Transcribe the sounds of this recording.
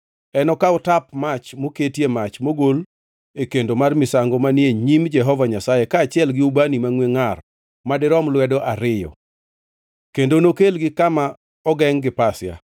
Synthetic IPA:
ɛnɔkaɔtapmat͡ʃmoketjemat͡ʃmoɡol | ekendomarmɪsaŋɡɔmanjeɲimd͡ʒɛɦɔvaɲasajekaːt͡ʃɪɛlɡɪubanimaŋweŋar | madɪɾɔmlwɛdɔʔaɾɪjɔ̰ | kendonokelɡɪkama | ɔɡɛŋɡɪpasɪja̰

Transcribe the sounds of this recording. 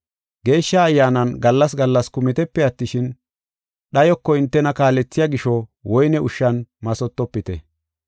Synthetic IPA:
ɡe̞ːʃːaːjːaːnɐnɡɐlːɐsɡɐlːɐskʊmɪt̪ɛpːɛɐt̪ːɪʃɪn | ɗɐjɔkːɔɪnt̪ːɛnɐkaːlːɛt͡sːɪjaɡɪʃɔwɔjnɛʊʃːɐnmɐsɔt̪ːɔpːɪt̪ɛ

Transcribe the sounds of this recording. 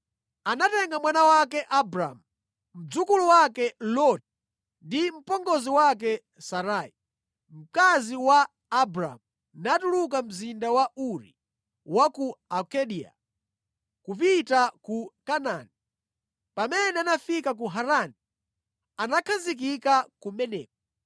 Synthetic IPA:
anatɛŋɡamwanawakɛʔabɾa̰mu | m̩d͡zukuluwakɛlɔt | ndim̩pɔŋɡɔziwak̬ɛ | saɾai | m̩kaziwaː | bɾa̰mu | natulukam̩zindawauɾḭ | wakuakɛɗia̰ | kupitakukanaːni | pamɛnɛanafikak̬uɦaɾani | anakʰazik̬ikakumɛnɛ̰ːk̚ɔ

